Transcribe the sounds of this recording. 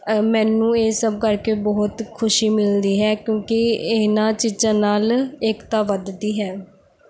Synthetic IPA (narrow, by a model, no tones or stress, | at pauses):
mɛːnũːeːsəb̚kəɾkeːbɔːt̪kʰʊʃiːmɪld̪iːɦɛːkjõːkɪenãːt͡ʃiːzãːnaːlekt̪aːʋəd̪d̪iːɦɛː